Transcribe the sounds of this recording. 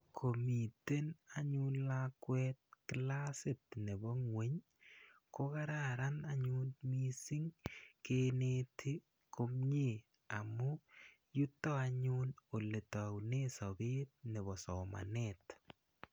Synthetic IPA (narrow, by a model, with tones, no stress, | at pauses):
kʰo˨mi˨te˦na˦ɲunlakwɛt̚kɪlasɪ˨tne˨bɔ˦ŋwe˦ɲ | ko˦ka˦ɾaɾa˦naɲu˦nmi˦sɪ˦ŋkenetʰi˦ | ko˦mɲi˨ | a˨mu˦ | ju˦tːɔ˦a˦ɲuno˨le˨ta˨wnesɔ˨be˦t̪̚nɛ˨βɔ˨sɔ˨ma̰˨nɛt